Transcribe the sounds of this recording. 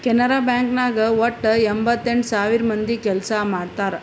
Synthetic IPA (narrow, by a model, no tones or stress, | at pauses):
kɛnɐɾaːbjaːŋknaːɡɐʋɐʈːembʱɐt̪ːeɳɖsaːʋiɾmɐnd̪ikɛlsamaːɽt̪aːɾe